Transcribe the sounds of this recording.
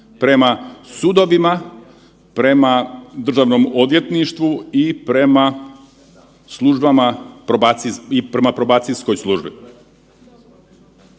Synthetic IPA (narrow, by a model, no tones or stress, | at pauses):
pɾe̞masud̪o̞ʋima | pɾe̞mad̪r̩ʒaːʋno̞mod̪ʋje̞t̪niʃt̪ʋuipɾe̞ma | slˠuʒbamapɾobat̪siipɾe̞mapɾobaːt̪sisko̞jslˠuʒbi